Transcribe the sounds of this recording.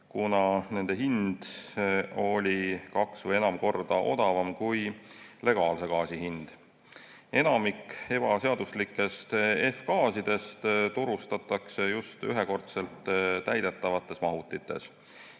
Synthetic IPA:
kunɑne̞nd̪̥e̞ɦind̪̥ | o̞lʲikɑksvɤjenɑmko̞rd̪̥ɑʔo̞̰d̪̥ɑvɑmkujle̞ɡ̥ɑːlse̞ɡɑːsihind̪̥ | e̞nɑmikːe̞b̥ɑse̞ɑd̪̥uslikːˑe̞st̪e̞fkɑːsid̪̥e̞st̪t̪uɾust̪ɑt̪ːˑɑksejust̪yɦe̞ko̞rt̪se̞lt̪t̪æjd̪̥e̞t̪ˑːɑvɑt̪ːˑe̞smɑɦut̪ːˑit̪ːˑe̞̰s

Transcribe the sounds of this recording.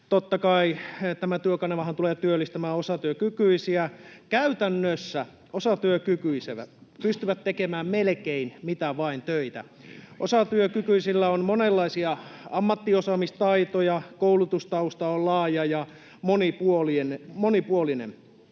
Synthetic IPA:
t̪ot̪ːɑkɑit̪æmæt̪yøkɑneʋɑhɑnt̪uleːt̪yølːist̪æmæːosɑt̪yøkykyisiækæyt̪ænːøsːæ | osɑt̪yøkykyiseʋæ̰pyst̪yʋæt̪tekemæːmmelkeinmit̪æʋɑint̪øit̪æ̰ | ʔosɑt̪yøkykyisilːæonmonelːɑisiɑɑmːɑt̪ːiosɑmist̪ɑit̪ojɑkoulut̪ust̪ɑust̪ɑollɑːjɑjɑ | monipuolienmonipuolinḛm

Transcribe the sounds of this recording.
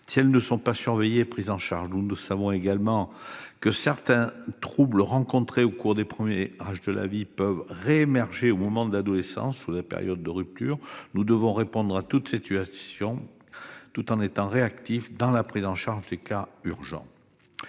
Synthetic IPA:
siɛlnəsɔ̃pasyʁvejeːpχizɑ̃ʃa̰ʁʒnunsavɔ̃eɡalmɑ̃kəsɛʁt̪ɛ̃t̪χubləʁɑ̃kɔ̃t̪χeokuʁd̪epχəmjeʁaʒd̪əla̰vipœvʁeemɛʁʒeomɔmɑ̃d̪əlad̪ɔlesɑ̰̃sːudapḛʁjɔd̪ːəʁyp̚t̪y̰ːʁnud̪əvɔ̃ʁepɔ̃d̪ʁat̪ut̪sit̪yasjɔ̃ | t̪ut̪ɑ̃net̪ɑ̃ʁeakt̪ifd̪ɑ̃lapχizɑ̃ʃaʁʒd̪ekayʁʒɑ̰̃

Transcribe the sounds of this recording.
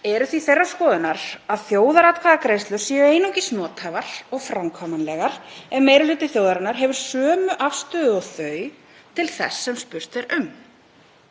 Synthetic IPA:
ɛɾʏθviθejrːaskɔːðʏnaɾaðθjoːwðaɾat̪kʰvaðakɾeːjst̪lʏ̥siɛʏeːjnowcɪsnɔːt̪ʰavaɾ̥ɔɣfɾamkʰɔmanlɛɣaɾ̥ɛnmeːjɾʏlʏːt̪ɪθjoːwðaɾanaɾɦɛvʏɾ̥sœːmʏʔafst̪ʏðʏɔɣθœɥ | t̪ʰɪlθɛ̰sːɛmspʏr̥t̪θɛɾʏm

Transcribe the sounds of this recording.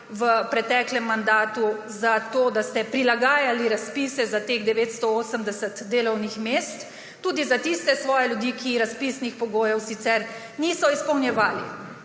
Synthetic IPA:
ʋəpɾɛt̪ɛklɛmːand̪aːt̪uzat̪oːd̪ast̪ɛpɾilaɡaːjaliɾaspiːsɛzat̪eːɣd̪ɛʋeːt̪st̪ɔoːsəmd̪ɛsət̪d̪eːlɔwnixmest̪ː | uːd̪izat̪ist̪ɛsʋɔːjɛljud̪ikʰiɾaspiːsnixpɔɡoːjɛwsit̪sɛɾ | niːsɔispɔwnjɛʋaːlḭ

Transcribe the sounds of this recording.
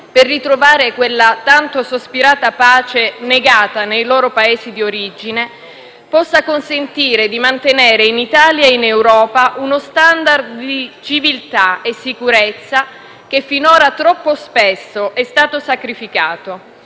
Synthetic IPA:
perːit̪ɾovaːɾekwelːat̪ant̪osospiɾaːt̪apaːt͡ʃeneɡaːt̪anejloːɾopaeːsid̪ioɾid͡ʒine | pɔsːakonsent̪iːɾed̪imant̪eneːɾeinit̪aːljainewɾɔːpaʔunost̪and̪ard̪d̪it͡ʃivilt̪aesːikuɾet̪sːa | k̟efːinoːɾat̪ɾɔpːospesːoʔɛst̪aːt̪osakɾifikaːt̪o

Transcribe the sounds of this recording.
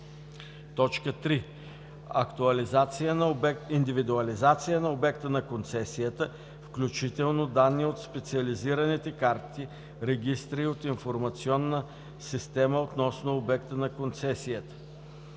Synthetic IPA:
t̪ɔt͡ʃkət̪ɾi | ɐkt̪uɐlizat̪sijənind̪ivid̪uɐlizat̪sijənɐobɛkt̪ənɐkont̪sɛsijət̪ə | fklʲut͡ʃit̪ɛlˠnod̪anːiot̪spɛt̪siɐliziɾɐnit̪ɛkaɾt̪i | ɾɛɡ̟ʲist̪ɾiot̪infoɾmɐt̪siɔnːə | sist̪ɛməot̪nɔsnoobɛkt̪ənɐkont̪sɛsijət̪ə̥

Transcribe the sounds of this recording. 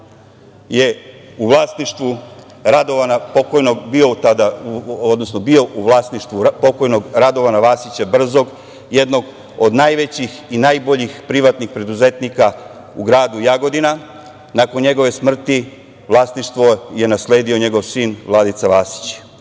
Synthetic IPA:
je̞ | uʋlˠaːst̪niʃt̪ʋu | ɾad̪oʋanapo̞kojnoɡbio̞ut̪ad̪aod̪no̞snobio̞ʔuʋlˠaːst̪niʃt̪ʋupo̞ko̞jnoɡɾad̪o̞ʋanaʋaːsit͡ɕabr̩zo̞ɡ | je̞d̪no̞ɡ | od̪najʋe̞t͡ɕixinaːjbo̞ʎixpɾiʋat̪nixpɾe̞d̪uze̞t̪nika | uɡɾaːd̪ujaɡo̞d̪ina | nako̞nɲe̞ɡoʋe̞smr̩t̪i | ʋlˠaːsniʃt̪ʋo̞je̞nasle̞ːd̪io̞ɲe̞ɡo̞ʋsiːnʋlˠad̪it̪saʋaːsi̥t͡ɕ

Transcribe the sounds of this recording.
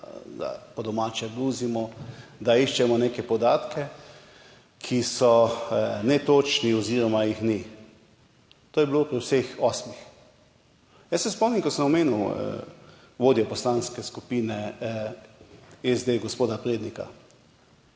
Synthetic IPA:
d̪a̰pɔd̪ɔmaːt͡ʃɛɡɾuːzimɔd̪aiʃt͡ʃɛmɔnekɛpɔd̪aːt̪kʰɛ | kʰisɔ | nɛt̪ot͡ʃniɔziːɾɔmajixni | t̪oːjɛbilopɾiwsexɔsmix | jɛsɛspɔmnimkɔt̪səmɔmeːnuw̰ | ʋoːd̪iɔpɔslanskɛskupiːnɛ | ezd̪eɡospoːd̪apɾeːd̪nika̰

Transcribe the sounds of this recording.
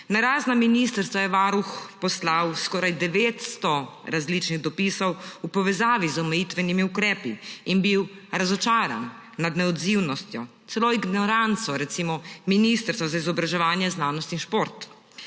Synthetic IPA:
naɾaːznaminist̪əɾst̪ʋajɛʋaːɾuxpɔslawskɔːɾajd̪ɛʋeːt̪st̪ɔɾazlit͡ʃniɣd̪ɔpisɔwupɔʋɛzaːʋizɔmɛjit̪ʋɛnimiukɾɛːpiːnbiwɾazɔt͡ʃaːɾa̰nː | ad̪nɛɔd̪ziwnɔst̪jɔ | t̪sɛloːiɡnɔɾant̪sɔɾɛt̪simɔminist̪əɾst̪ʋazaizɔbɾaʒɛʋaːnjɛznaːnɔst̪inʃpoɾt̪

